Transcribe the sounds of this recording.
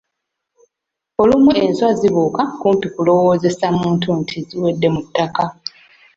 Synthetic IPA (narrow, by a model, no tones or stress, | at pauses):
o̞lumue̞nswaziβuːkakuːmpikulo̞wo̞ːze̞samuːntʰuntʰiziwe̞dːe̞mutːaka